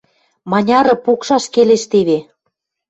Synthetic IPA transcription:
mɑnʲɑɾɤ̆pokʃɑʃkeleʃt̪eβe

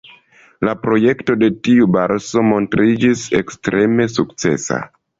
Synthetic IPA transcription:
lapɾo̞je̞kto̞de̞tiubaɾso̞mo̞ntɾid͡ʒise̞kstɾʔe̞me̞suk̚t͡se̞̰sa̰

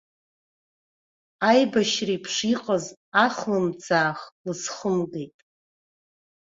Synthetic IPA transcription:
ajbaʃripʰʂiqʼazaχlɨmt͡sʰaːχlɨsχəmɡejtʼ

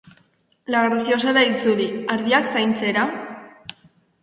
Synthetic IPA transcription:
laɣɾasio̞saeɾait͡suɾiaɾðiaksajnt͡se̞ɾa

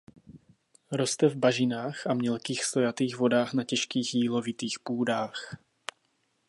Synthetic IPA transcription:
ɾo̞st̪ɛvbaʒɪnaːxʔamɲɛlkiːxst̪o̞jat̪iːɣvo̞daːxnacɛʃkiːxjiːlo̞vɪt̪iːxpuːdaːx

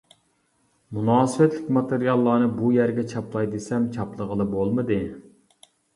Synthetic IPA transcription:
munɑːsɨwɛt̪lɪkʲmɑt̪eɾijɑlˠːɑːnɨbujæɾɡʲɛt͡ʃʰɑplˠɑjd̪esɛmt͡ʃʰɑplˠəʁəlˠɨbolˠmɨd̪ɨ

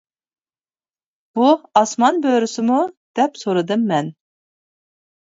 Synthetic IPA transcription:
b̥uɑsmɑnbøɾɪsɪmud̪̥ɛpsoɾɨd̪ɨmːɛn

